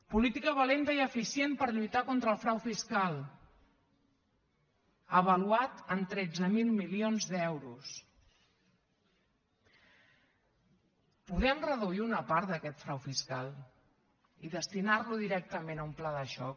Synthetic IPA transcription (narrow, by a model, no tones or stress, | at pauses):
pulit̪ikəβəlent̪əiəfisienpəɾʎujt̪akont̪ɾəlˠfɾawfiskalˠ | əβəluat̪ənt̪ɾɛd͡zəmilˠmilionzðɛwɾus | puðɛmrəðuiunəpaɾt̪d̪əkɛt̪fɾawfiskalˠ | iðəst̪inarluðiɾɛk̚t̪əmenəumplaðəʃɔ̰k